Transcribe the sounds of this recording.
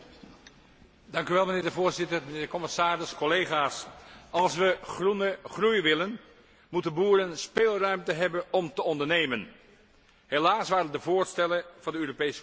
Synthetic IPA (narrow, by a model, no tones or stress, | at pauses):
dɑŋkyʋɛlˠmənɪːɹdəvʊːɹzɪtərmənɪːɹdəkɔmɪsaːɾɪskɔlejχaːsɑlˠsʋəχrunəχrujʋɪlən | mutənbuːɾənspeːlˠrœɥmtəɦɛbənɔmtəɔndəɹnejmən | ɦelaːsʋaːɾəndəvoːɹstɛləv̥ɑndəøːropejsə̥